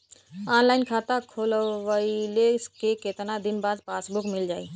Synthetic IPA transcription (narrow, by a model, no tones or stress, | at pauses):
anlaɪnkʰat̪akʰolʋəileskeket̪nad̪inbaːd̪pasbukmɪld͡ʒaːi